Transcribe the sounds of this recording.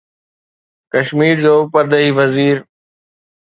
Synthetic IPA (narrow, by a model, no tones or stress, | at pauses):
kəʃmiːɾd͡ʑoːpəɾɗ̪əɦiːʋəziːɾ